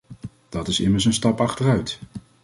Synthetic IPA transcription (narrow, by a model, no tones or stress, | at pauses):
d̥ɑtɪsɪməɹs̬ənstɑpɑχtərœɥt